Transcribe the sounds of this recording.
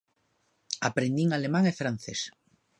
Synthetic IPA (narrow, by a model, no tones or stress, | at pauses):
apɾend̪iŋalemãŋefɾan̟θes